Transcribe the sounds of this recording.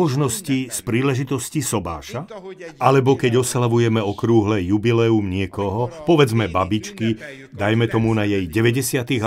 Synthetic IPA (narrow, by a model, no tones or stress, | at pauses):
ɔʒnɔscispɾiːlɛʒit̪ɔscisɔba̰ːʃaalɛbɔkɛɟɔslaʋujɛmɛɔkɾuːɦlɛjubilɛumɲɪɛkɔɦɔpɔʋɛd͡zmɛbabit͡ʃki | d̪ajmɛt̪ɔmunajɛjɟɛʋɛɟɛsɪat̪iɣ